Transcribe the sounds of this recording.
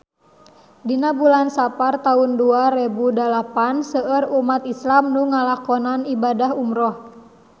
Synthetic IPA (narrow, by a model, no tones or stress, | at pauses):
dinabulansapart̪aunduarɛbudalapansəʔərumat̪islamnuŋalakɔnanibadahumɾɔh